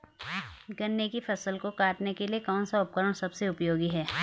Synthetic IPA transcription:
ɡɐnːekifʰɐsəlkokaːʈnekeliekɔːnsaʊp̚kəɾəɽ̃sɐbseʊpjoːɡiɦɛː

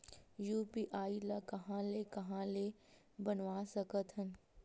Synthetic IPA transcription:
juːpiʔaːilakɐɦãːlekɐɦãːle | bənʋaːsɐkət̪ɦən

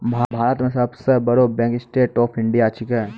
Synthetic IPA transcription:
bʱabʱaːɾət̪mẽsɐbsɐɾbɐɾobɛ̃ːŋksʈeːʈɔːpʰɪ̃ɳɖijaːt͡ʃʰikɐ

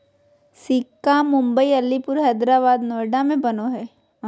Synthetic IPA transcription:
siːkːamʊ̃mbəiɐlːipʊɾɦɛːd̪ɾaːβaːd̪noːɾɖamẽbɐnoɦɛː

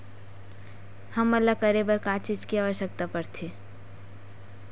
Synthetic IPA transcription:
hɐmɐlːakɐɾebəɾkaːt͡ʃid͡ʒkiaːʋəʃək̚t̪apɐɾt̪ʰe

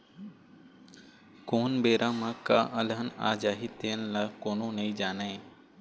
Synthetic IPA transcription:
koːnbeːɾʔãːmãːkaːʔəlɦənaːd͡ʒaːɦiːt̪eənlaːkoːnõːnɐĩːd͡ʒaːnaẽː

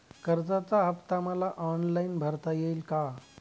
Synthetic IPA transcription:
kəɾd͡zat͡saəpt̪amalaʔɔnlainbʱəɾt̪ajelka

